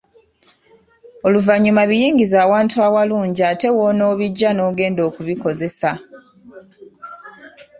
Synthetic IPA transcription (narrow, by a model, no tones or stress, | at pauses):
o̞luvaɲːumaβijiːɲɡizaːwaːntʰuawaluːɲɟiaːte̞wono̞ːβiɟːano̞ːɡe̞ːndo̞ːkuβiko̞ze̞sa